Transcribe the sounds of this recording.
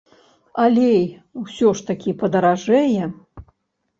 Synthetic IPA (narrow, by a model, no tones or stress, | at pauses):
alʲej | wsʲɔʂt̪akʲipɐd̪ɐɾaʐɛjɛ